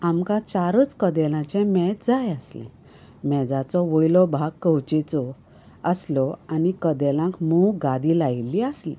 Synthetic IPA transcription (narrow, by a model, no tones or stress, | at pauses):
amkãt͡saɾət͡skəd̪ɛlãt͡ɕɛ̃mɛt̪d͡zajəslɛ̰̃ | mɛd͡zat͡sɔʋəjlɔbʱaɡ̚kːəwt͡ɕɛt͡sɔ | əslɔanikəd̪ɛlãŋkmuɡad̪ilajilːiəslḭ